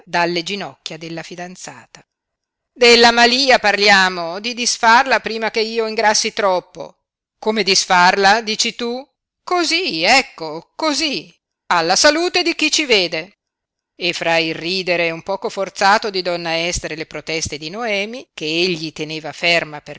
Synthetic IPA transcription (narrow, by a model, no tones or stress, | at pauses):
d̪alːed͡ʒinɔkːjad̪elːafid̪ant̪sa̰ːt̪ḁ | d̪elːamaliːaparljaːmod̪id̪isfarlapɾiːmak̟eiːoiŋɡɾasːit̪ɾɔpːo̰ | komed̪isfarlad̪iːt͡ʃit̪u | koziɛkːokozi | alːasaluːt̪ed̪ik̟it͡ʃiveːd̪e | efɾairriːd̪eɾeumpɔːkofort̪saːt̪od̪id̪ɔnːaɛst̪eɾelepɾot̪ɛst̪ed̪inoɛːmikeeʎːit̪eneːvafermape